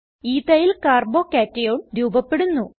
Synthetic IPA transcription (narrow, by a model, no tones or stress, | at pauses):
iːt̪ɐjilkaːrbo̞ːkaːtːɐjoːɳɾuːbɐpːeɽunːu